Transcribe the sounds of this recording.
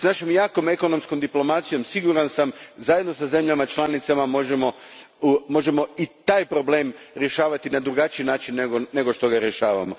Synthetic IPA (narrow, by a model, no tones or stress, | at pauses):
snaʃomjaːko̞me̞ko̞no̞msko̞md̪iplo̞mat̪sijo̞msiɡuɾansamzaje̞d̪no̞saze̞mʎamat͡ʃlˠanit̪samamo̞ʒemo̞ | mo̞ʒe̞mo̞it̪aːjpɾo̞ble̞ːmɾje̞ʃaːʋat̪inad̪ɾuɡat͡ʃiinaːt͡ʃinːeɡone̞ɡo̞ʃt̪o̞ɡaɾje̞ʃaːʋa̰mo̞